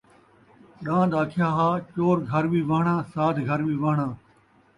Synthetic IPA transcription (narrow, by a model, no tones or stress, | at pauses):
ɗãːɗ̪aːkʰɪjaːɦaːt͡ʃoːɾɡʱɐɾʋiːʋəɦɳãːsaːt̪ʰɡʱəɾʋiːʋəɦɳãː